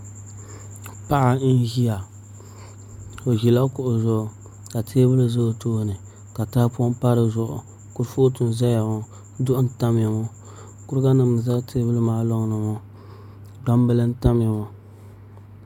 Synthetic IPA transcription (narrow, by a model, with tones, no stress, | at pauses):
pa˦ʔa˨˦n˦ʒi˦a˨ | o˨ʒi˨la˦kʊ˨ʔʊ˨zʊ˨ʔʊ˨ | ka˨tʰeː˦bɨ˦lɨ˦zo˦toː˦˨nɨ˨ | ka˨ta˦pu˦ɔ˦mpa˦ɾɨ˦zʊ˨ʔʊ̰˨ | kʊ˦ɾfo˦tu˨n˨za˦ja˨ŋɔ˦ | dʊ˦ʔʊ˦n̩˦ta˦m˦˨a˨ŋo˦ | kʊ˦ɾɡa˦nɨ˨m˨za˦ktʰe˦bɨ˦lɨ˦maː˨˦lo˦ŋ˦nɨ˨mɔ˦ | ɡ͡ba˦m˦bɨ˦lɨ˦n̩˦ta˦m˦a˨ŋo˦